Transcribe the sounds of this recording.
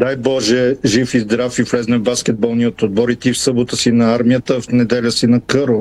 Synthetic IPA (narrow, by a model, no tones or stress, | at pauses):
d̪ajbɔʒɛʒifizd̪ɾafivlɛznɛvbaskɛd̪̚bɐlˠniot̪od̪̚bɔɾit̪iːfsɤbot̪əsinɐaɾmijət̪əfnɛd̪ɛlʲəsinɐkɤɾo